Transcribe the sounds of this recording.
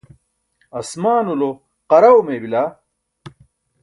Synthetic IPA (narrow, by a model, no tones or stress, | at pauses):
ɐsmaːnulo | qɐɾɐwmeːbila